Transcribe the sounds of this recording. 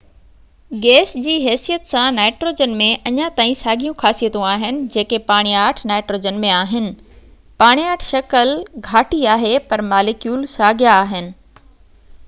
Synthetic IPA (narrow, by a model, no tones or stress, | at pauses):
ɡɛːsd͡ʑiːɦɛːsijət̪sãnaːɪʈɾoːd͡ʑənmẽʔɐɲãt̪aːĩsaːɡʱijũkʰaːsijət̪õaːɦɪnɪ̆d͡ʑeːkepaːɽ̃ijaːʈʰnaːɪʈɾoːd͡ʑənmẽaːɦɪnɪ̆ | paːɽ̃ijaːʈʰʃɐkəlɡʱaːʈiaːɦepɐɾmaːlɪkjuːlsaːɡʱjaːɦɪnɪ̆